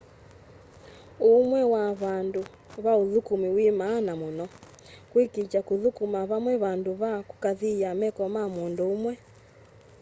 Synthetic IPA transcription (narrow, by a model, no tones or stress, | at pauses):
umwɛwaβandu | βaoðukumiwimaːnamonɔ | kwikit͡ʃakuðukumaβamwɛβanduβaku̥kaðiamɛkɔmamondoːmwɛ